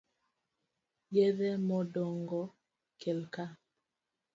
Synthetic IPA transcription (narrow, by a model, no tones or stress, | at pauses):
jeðɛmɔdɔŋɡɔ | kʰelka